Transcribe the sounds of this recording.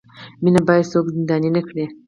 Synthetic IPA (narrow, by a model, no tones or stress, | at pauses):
minabɑjsoɡzind̪ɑninəkɽe